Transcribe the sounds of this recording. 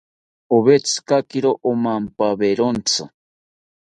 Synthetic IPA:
oβet͡sɨ̥kakiɾoʔomampaβeɾont͡sɨ

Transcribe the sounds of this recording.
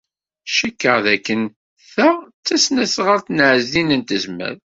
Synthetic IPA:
ʃəkːəʁðækːən | θæt͡sːæsnæsʁəɾθənʕəzinənt̪əzmæ̰ð

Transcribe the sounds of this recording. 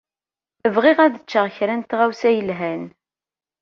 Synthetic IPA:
əvʁɪʁæðət͡ʃːəʁçɾænt̪ʁawsæjəlɦæn

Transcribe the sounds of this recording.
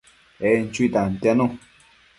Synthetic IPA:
ɛn̩t͡ʃuit̪an̩t̪anũ

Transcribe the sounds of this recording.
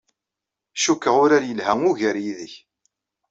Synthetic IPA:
ʃukːəʁʊɾaɾjəlhæŋʊʝəɾjiðəç

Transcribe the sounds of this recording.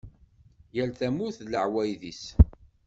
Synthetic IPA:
jælθæmuθləʕwæjðis

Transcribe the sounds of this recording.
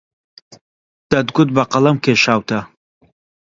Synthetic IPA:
d̪̥ɐd̪ɡʊd̪̚bɐqɐlɐmkʰeʃaːwt̪ʰɐ

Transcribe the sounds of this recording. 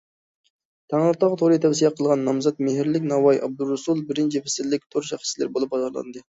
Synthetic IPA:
t̪ʰæŋʁəɾt̪ʰɑʁt̪ʰoɾɨt̪ʰɛfsijɛqʰəlˠʁɑnːɑmzɑt̪meɦɪɾlɪkʲnɑwɑjʔɑb̚d̪uɾusulˠbɪɾɪnt͡ʃʰipɪsɪllːɪk̚ʲt̪ʰoɾʃæχi̥ʃlɪ̰ɾbolˠɨp̚bɑzɑɾlˠɑ̰nd̪ɨ

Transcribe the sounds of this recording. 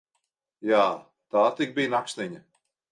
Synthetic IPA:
jaː | t̪aːt̪ik̚bijnaksʲnʲiɲa

